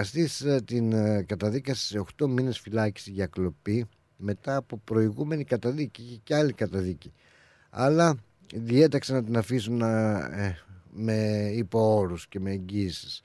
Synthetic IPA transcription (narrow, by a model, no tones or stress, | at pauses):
ɐst̪ist̪inkɐt̪ɐðikɐsi̥se̞o̞xt̪o̞mine̞sfilɐci̥siʝɐklo̞pi | me̞t̪ɐːpo̞pɾo̞iɣume̞nikɐt̪ɐðiciiçeceɐlikɐt̪ɐðici | ɐ̰lɐ | ðie̞t̪ɐksɐnɐt̪inɐfisun | me̞ipoo̞ɾusce̞me̞ːɲɟisi̥s